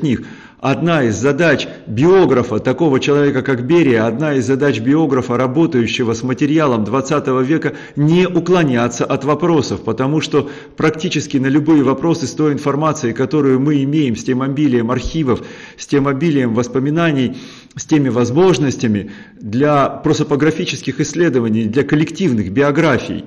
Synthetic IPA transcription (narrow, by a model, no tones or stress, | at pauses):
nʲix | ɐd̪naɪzʲːɐd̪at͡ɕbʲɪo̞ɡɾəfət̪ɐko̞vət͡ɕɪlˠɐvʲe̞kəkakbʲeɾʲɪjəɐd̪naɪzʲzːɐd̪at͡ɕbʲɪo̞ɡɾəfəɾɐbo̞t̪əjʉɕːɪvəsmətʲɪɾʲɪalˠəmd̪vɐt̪sat̪əvəvʲe̞kə | nʲeʔʊklˠɐnʲat̪sːəʔɐt̪vɐpɾo̞səfpət̪ɐmuʂt̪o̞ | pɾɐktʲit͡ɕɪskʲɪnəlʲʊbɨjəvɐpɾo̞sɨst̪o̞jɪnfɐrmat̪sɨɪkɐt̪o̞ɾʊjʊmɨɪmʲejɪmsʲtʲemɐbʲilʲɪjəmɐrxʲivəfsʲtʲemɐbʲilʲɪjəmvəspəmʲɪnanʲɪj | sʲtʲemʲɪvɐzmo̞ʐnəsʲtʲɪmʲɪ | d̪lʲɐpɾosəpəɡɾɐfʲit͡ɕɪ̥skʲɪxɪsʲlʲe̞d̪əvənʲɪjd̪lʲɐkəlʲɪktʲivnɨxbʲɪɐɡɾafʲɪ̰j